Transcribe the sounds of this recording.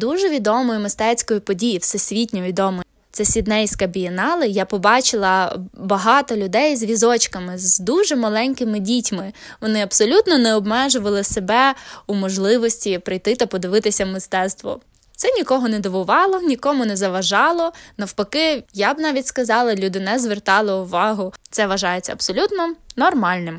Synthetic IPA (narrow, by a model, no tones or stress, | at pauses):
d̪uʒɛʋʲid̪ɔmɔjʊmɪst̪ɛt͡sʲkɔjʊpɔdʲijiwsɛsʲʋʲitʲnʲɔʋʲid̪ɔmɔj | t̪sɛsʲid̪nɛjskɐbʲijɛnɑlˠɪjapɔbɑt͡ʃɪlˠɐbɐɦɑt̪ɔlʲʊd̪ɛjzʋʲizɔt͡ʃkɐmɪzd̪uʒɛmɐlˠɛnʲkɪmɪdʲitʲmɪʋɔnɪɐbsɔlʲut̪nɔnɛɔbmɛʒʊʋɐlˠɪsebɛumɔʒlˠɪʋɔsʲtʲipɾɪjt̪ɪt̪ɐpɔd̪ɪʋɪt̪ɪsʲɐmɪst̪ɛst̪ʋɔ̰ | t̪sɛnʲikɔɦɔnɛd̪ɔʋʊʋɑlˠɔnʲikɔmʊnɛzɐʋɐʒɑlˠɔnɐwpɔkɪjabnɑʋʲitʲskɐzɑlˠɐlʲud̪ɪnɛzʋert̪ɑlˠɪʊʋɑɦʊt̪sɛʋɐʒɑjet͡sʲːɐ̰ɐbsɔlʲut̪nɔnɔrmɑlʲnɪm